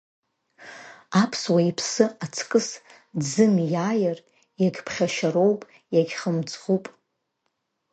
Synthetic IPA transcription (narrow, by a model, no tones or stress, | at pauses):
apʰswaipʰsɨat͡sʰkʼɨs | d͡zɨnjaːjar | jaɡʲpʰχʲaʃaɾowpʼ | jaɡʲχəmt͡sʰʼʁupʼ